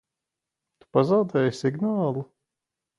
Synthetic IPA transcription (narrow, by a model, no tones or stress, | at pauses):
t̪u̥pazawd̪ɛːjsiɡnaːlˠu